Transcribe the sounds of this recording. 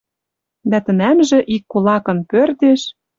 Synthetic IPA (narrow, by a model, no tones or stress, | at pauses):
d̪æt̪ə̆næmʒĕʔikːulɑkɤ̆npørd̪eʃ